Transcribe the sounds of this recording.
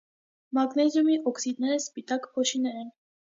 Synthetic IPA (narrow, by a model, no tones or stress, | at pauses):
mɑɡnɛzjumiʔɔksid̪nɛɾəspit̪ɑkpʰɔʃinɛɾɛn